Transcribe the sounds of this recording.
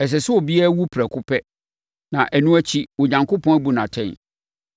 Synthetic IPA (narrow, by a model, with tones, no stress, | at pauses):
ɛ˨s̬ɛ˨sʊ˦ɔ˨bi˦æ˦wu˦pʰɾɛ˨kʰʊ˦pʰɛ˦ | nã˨ʔæ˨nũ˦æ˦t͡ɕʰi˦wɔ˨ɲã˨ŋko˦pʰɔ̃˦æ˦bu˨nã˨tʰɛ̃˦˨n